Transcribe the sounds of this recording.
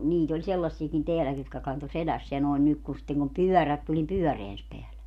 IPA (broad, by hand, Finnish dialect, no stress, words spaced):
niːt olʲ selːɑsːiekin teælæki jotkɑ kɑnto selæsːeæ noen nyk ku sitːeŋ kum pyœˑræt tulʲ nim pyœˑreæns peælæ